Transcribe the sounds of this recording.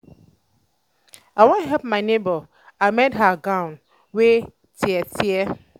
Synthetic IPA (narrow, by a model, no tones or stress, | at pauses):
awɔ̃nɦɛlp̚maɪnebə | amɛtɦaɡãʊn | we | tʰiɛtʰiɛ